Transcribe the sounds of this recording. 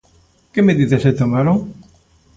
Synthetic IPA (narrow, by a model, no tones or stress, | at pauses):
kemeðiðeset̪omaɾoŋ